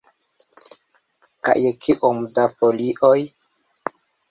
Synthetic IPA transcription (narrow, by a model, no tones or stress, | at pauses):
ka̰jekʰiʔomdafoliʔoj